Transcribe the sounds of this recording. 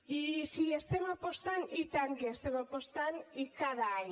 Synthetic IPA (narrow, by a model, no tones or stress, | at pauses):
isiest̪emapost̪anit̪aŋɡeest̪emapost̪anikaðan